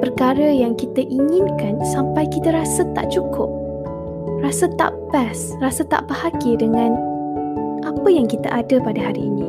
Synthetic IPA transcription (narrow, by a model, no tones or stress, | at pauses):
pərkaɾəjaŋkit̪əʔiŋɪ̃nkansampajkit̪əɾasət̪a̰ʔt͡ʃukʰʊp̚ | rasət̪a̰ʔbɛs | rasət̪a̰ʔbahaɡidəŋãn | ʔapəjaŋkit̪ə̰ʔadəpadəɦaɾiːnĩ